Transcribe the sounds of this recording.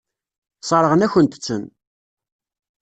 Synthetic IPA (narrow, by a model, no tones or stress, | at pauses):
sˤɑɾˤəʁənæçənt̪ə̥t͡sːə̰n